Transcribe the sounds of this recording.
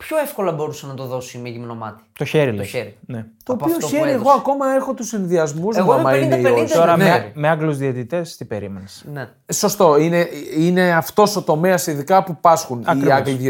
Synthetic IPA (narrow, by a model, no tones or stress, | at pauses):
pço̞efko̞lɐbo̞ɾusɐnɐt̪o̞ðo̞siimeʝimno̞mɐ̰t̪i̥t̪o̞çe̞ɾileeɾinet̪oːioçeɾieɣo̞ɐko̞mɐe̞xot̪usinðiɐzmuzeoomɐineiost̪oɾɐmnemeɐɡluzðiet̪it̪e̞st̪ibe̞ɾimenesne | so̞st̪o̞ine̞ine̞ɐft̪o̞so̞t̪o̞me̞ɐsiðikɐpupɐsxunɐiɾɐkl